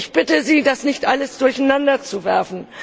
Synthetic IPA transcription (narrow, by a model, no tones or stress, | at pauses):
ɪçb̥ɪtəziːdasnɪçtʔaləsd̥ʊɐçanandɐt͡suvɛɐfn̩